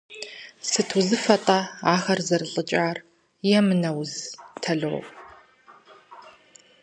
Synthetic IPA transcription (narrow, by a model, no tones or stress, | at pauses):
sɨtʰuzɨfɐtʼɐaːxɐrzɐrɨɬʼɨt͡ʃʼaːr | jɛmɨnɐwztʰɐɮɨw̰